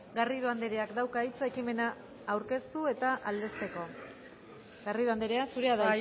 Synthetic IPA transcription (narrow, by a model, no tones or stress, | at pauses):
ɡariðoand̪eɾe̞akd̪awkait͡sae̞kime̞naː | wɾke̞st̪ue̞t̪aʔald̪e̞st̪e̞ko̞ | ɡariðoand̪eɾeasuɾe̞aða